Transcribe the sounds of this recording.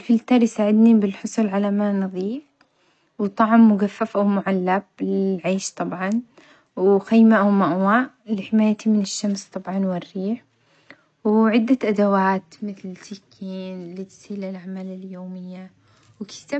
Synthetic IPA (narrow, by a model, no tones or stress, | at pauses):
lfɪlt̪ɑːɾˤjsaːʕɪd̪nibɪlħʊsˤuːlʕalamanɨðˤiːf | wt̪ˤɑʕmːʊɡafːafawmʊʕalːab̚lɪlʕeːʃt̪ˤɑbʕɑn | wxajmaʔawmaʔwaːʔ | lɪħɪmaːjat̪imɪnɪʃːamst̪ˤɑbʕɑnwɪrːiːħ | wʕɪd̪ːaʔad̪awaːt̪mɪθlɪsɪkʰːiːnlit̪ɪ̥siːlɪlʔaʕmaːlɪljoːmɪjːa | wɪkɪ̥t̪a